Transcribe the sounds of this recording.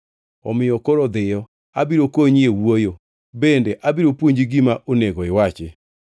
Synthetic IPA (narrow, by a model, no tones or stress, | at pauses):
ɔ̰mɪjɔkoɾɔd̪ɪjɔ | abiɾokoɲiewuojo | bendeʔabiɾopwoɲd͡ʒiɡimaʔoneɡɔɪwat͡ʃɪ